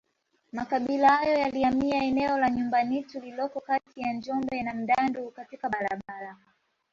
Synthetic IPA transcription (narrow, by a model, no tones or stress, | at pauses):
makaɓilahajɔjaliamiaɛnɛɔlaɲumbanitulilɔkɔkatijand͡ʒɔmbɛnam̩ɗandukatikaɓaɾaɓaɾa